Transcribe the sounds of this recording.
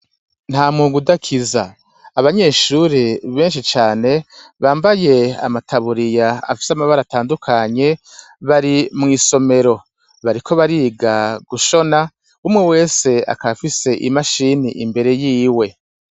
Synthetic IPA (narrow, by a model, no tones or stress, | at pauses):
n̥haːmŋuɡudakʰiza̰ː | βaɲe̞ːʃuɾiβe̞ːnʃit͡ʃaːne̞βaːmbaje̞a̰matʰaβuɾijaa̰fi̥samaβaɾataːndukʰaɲe̞ | βaɾimŋiːso̞me̞ɾo̞ | βaɾikʰo̞βaɾiːɡaɡuʃo̞na | umŋewe̞ːse̞a̰kaβafise̞ʔimaʃiniʔimbe̞ɾe̞jiːwe̞